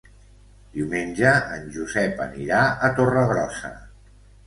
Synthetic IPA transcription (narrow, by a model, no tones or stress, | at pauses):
d̪̥iwmenʲʒəːnʲʒuzɛpə̰niɾaət̪orəɣɾɔsə̰